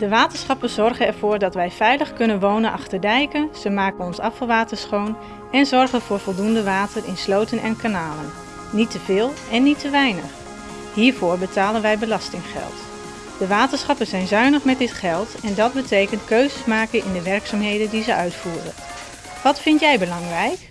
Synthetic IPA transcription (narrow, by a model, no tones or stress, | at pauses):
d̥əʋaːtəsχɑpəz̥ɔrχənɛɹvʊːɹdɑtʋɛjvɛjləχkɵnənʋownənʔɑχtəɹdɛjkənz̥əmaːkənɔnsɑfəlˠʋaːtəɹsχown | ɛnzɔɹχənvʊːɹvɔlˠdundəʋaːtərɪnslowtənʔɛnkanaːlənː | itəvɪːlˠɛnːitəʋɛjnəχ | ɦiːɹvʊːɹbətaːlənʋɛjbəlɑstɪŋχɛ̰lˠt | d̥əʋaːtənsχɑpənzɛjnzœɥnəχmɛt̚dɪtχɛlˠtɛndɑd̚bətejkəntkøɥzəsmaːkənʔɪndəʋɛɹksaːmɦejdəndizəœɥtfuːrən | ʋɑtfɪntjɛjbəlɑŋrɛjk